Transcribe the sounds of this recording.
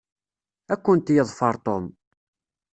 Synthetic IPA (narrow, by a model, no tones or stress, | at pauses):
ækʷːənt̪jəðˤfɑɾˤt̪om